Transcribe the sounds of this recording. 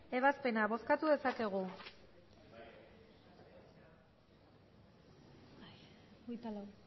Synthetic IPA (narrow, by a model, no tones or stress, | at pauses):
e̞β̞aspe̞naβo̞skat̪uðe̞sake̞ɣ̞u | ujt̪alaw